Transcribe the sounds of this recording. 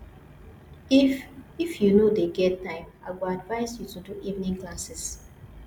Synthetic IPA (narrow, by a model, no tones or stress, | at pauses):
ififjunodeɡɛt̚tãɪ̃maɪwuadvaɪzjutuduʔivnĩŋklasɪs